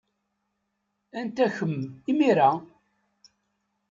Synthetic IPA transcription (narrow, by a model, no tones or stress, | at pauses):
ænt̪æçəmimiɾæ